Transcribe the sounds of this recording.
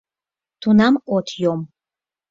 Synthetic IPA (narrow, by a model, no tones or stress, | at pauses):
t̪ʰunamot̪ʰjom